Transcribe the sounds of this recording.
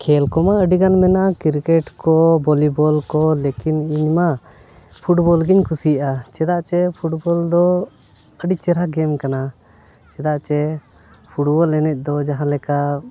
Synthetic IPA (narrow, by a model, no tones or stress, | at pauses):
kʰɛlkɔmaəɖiɡanmɛnakiɾkɛʈkɔbɔlibɔlkɔlekiniɲma | pʰuʈbɔlɡiɲkʰusijʔat͡ʃɛd̪aʔt͡ʃɛpʰuʈbɔld̪ɔ | əɖit͡ʃɛɾaɡɛmkana | t͡ʃɛd̪aʔt͡ʃɛ | pʰuʈbɔlːɛnɛc̚ˀd̪ɔd͡ʒaɦãlɛka